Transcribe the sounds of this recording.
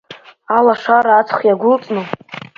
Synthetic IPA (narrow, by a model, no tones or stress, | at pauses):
alaʂaɾaːt͡sʰχjaɡʷʊlt͡sʼnɨ